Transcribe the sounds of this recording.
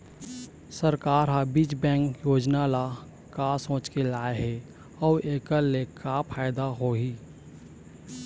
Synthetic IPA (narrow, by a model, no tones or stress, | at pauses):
səɾkaːɾɦabit͡ʃbɛ̃ːŋkjoːd͡ʒnala | kasõːt͡ʃkelaːeɦɛ | ɔːʔeːkəlːekapʰaːɪd̪aɦoɦiː